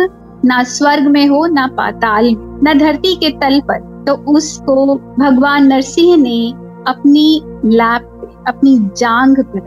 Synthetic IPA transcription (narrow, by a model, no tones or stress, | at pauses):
naswɐɾɡmẽɦonapa̰ːt̪aːlmẽnɐd̪ʱɐɾt̪iket̪ɐlpɐɾ | t̪oʊskobʱɐɡʋaːnːɐɾsɪ̃ɦne | ɐpnilɛːp̚ːe | ɐpnid͡ʒãːŋɡkɐɾa